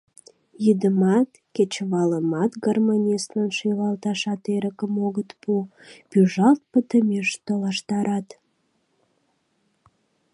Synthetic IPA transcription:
jid̪əmɑt̪ket͡ɕβɑləmɑt̪ɡərmanʲist̪lənʃijlɑlt̪ɑʃɑt̪eɾəkəmoɣət̪pu | pyʒɑlt̪̚pət̪əmeʃt̪olɑʃt̪ɑɾɑt̪

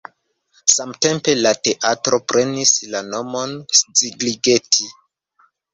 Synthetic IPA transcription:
samte̞mpe̞late̞ʔatɾo̞pɾʔe̞nislano̞mo̞nst͡siɡliɡe̞tʰi

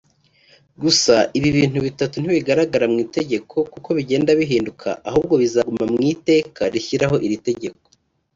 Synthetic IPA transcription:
ɡusaiβiβiːn̥uβitatun̥iβiɡaɾaɡaɾamŋiːte̞ɟe̞kʰo̞kuko̞βiɟe̞ːndaβiɦiːndukʰa̰ʔaɦuːb̚ɡo̞βizaɡumamŋiːte̞ːkʰaɾiçiɾaɦo̞ʔiɾite̞ɟe̞k̚o̥

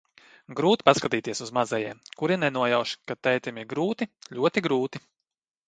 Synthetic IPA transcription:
ɡɾuːt̪i̥paskat̪iːt̪iɛsuzmazɛjiɛmkuɾinɛnuɔjawʃkat̪ːɛjt̪ʲimiɾɡɾuːt̪iʎʲuɔt̪iɡɾuːt̪i

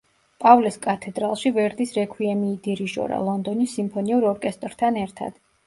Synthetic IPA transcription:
pʼavliskʼat̪ʰɛd̪ɾalˠʃivɛɾd̪isɾɛkʰwiɛmiːd̪iɾiʒɔ̰ɾa̰lˠɔnd̪ɔnisːimpʰɔniuɾɔɾkʼɛst̪ʼɾt̪ʰanɛɾt̪ʰa̰d̪̥

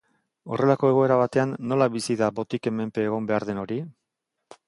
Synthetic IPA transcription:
o̞̰rʔe̞lako̞eɣ̞o̞e̞ɾaβ̞at̪e̞anːo̞laβisiðabo̞t̪ike̞me̞mpe̞ːɣ̞o̞mbe̞aɾðe̞no̞ɾi

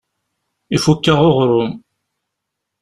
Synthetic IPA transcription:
ifukːəʁoʁɾʊm

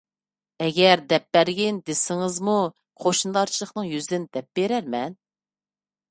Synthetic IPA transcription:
ɛɡʲɛɾd̪ɛp̚bæɾɡʲind̪esɪŋɪzmu | qʰoʃnd̪ɑɾt͡ʃʰilˠəχnɨŋjyzd̪ɪnd̪ɛp̚beɾæɾmɛn

